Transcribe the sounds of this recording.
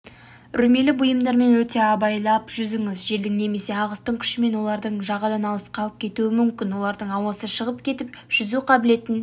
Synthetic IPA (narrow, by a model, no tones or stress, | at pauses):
ɾʏɾme̞lɪbʊjəmd̪ɑɾme̞nwɵt̪e̞ɑbɑjlˠɑpʒʏzɪŋɪzʒe̞ld̪ɪŋne̞me̞se̞ɑʁəst̪əɴkʲʰʏ̥ʃɪme̞nwo̞lˠɑɾd̪əɴʒɑʁɑd̪ɑnɑlˠəsqʰɑlˠəp̚kʲʰe̞t̪uɪmʏmkʲɪnwo̞lˠɑɾd̪əɴɑwɑsəʃəʁəp̚kʲʰe̞t̪ɪpʒ̥ʏzuqʰɑbɪle̞t̪ɪn